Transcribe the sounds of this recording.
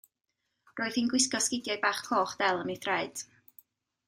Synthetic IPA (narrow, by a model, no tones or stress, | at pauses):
roːɨðinɡwɪskɔskɪdjajbaːχkʰloːχd̥ɛlˠəmiθrɛɨd̥